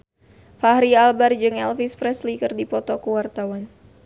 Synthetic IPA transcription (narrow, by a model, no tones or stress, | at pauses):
fahɾialbard͡ʒɨŋɛlfispɾɛslikɨrdipɔt̪ɔkəwart̪awan